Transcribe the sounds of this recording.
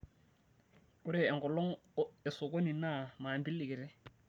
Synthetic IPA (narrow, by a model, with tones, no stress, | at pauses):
ʊ˦ɾɪ˦˨ɛ˨ŋɡɔ˨lɔ˦ŋ̩˦ɛ˨sʊ˨ko˦ni˨na˦˨ma˨mbi˦li˨kɪ˨ɾɛ˦